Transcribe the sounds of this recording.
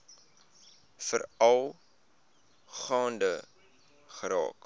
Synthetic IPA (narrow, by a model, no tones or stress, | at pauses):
fəɾɐlˠ | χɑːndə | χəɾɑ̰ːk